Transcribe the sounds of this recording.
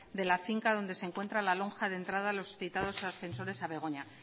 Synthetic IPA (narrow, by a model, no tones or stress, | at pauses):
d̪e̞lafiŋkaðo̞nd̪e̞se̞ŋkwe̞nt̪ɾalalo̞ŋxaðe̞nt̪ɾað̞alo̞sθit̪að̞o̞sasθe̞nso̞ɾe̞saβe̞ɣ̞o̞ɲa